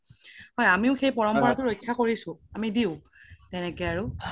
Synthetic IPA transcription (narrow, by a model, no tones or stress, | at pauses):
ɦɔjamiʊxejpɔɹɔmpɔɹatʊɹojkʰːakoɹisʊ̃amidiʊ | tɛnɛkɛaɹʊ